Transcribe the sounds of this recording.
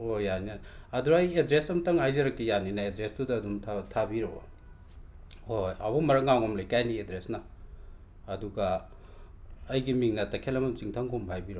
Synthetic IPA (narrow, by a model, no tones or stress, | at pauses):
ojanianiɐduɾɐjedɾesɐmtɐŋajzɐɾɐkːijaninaedɾestudɐːdumtʰtʰabiɾo̰ | hojabɔmɐɾɐŋawŋomlejkajniedɾesnaː | duɡa | jɡimiŋnɐtɐkʰelɐmɐmt͡ʃiŋtʰɐŋkʰombʰʱajbiɾow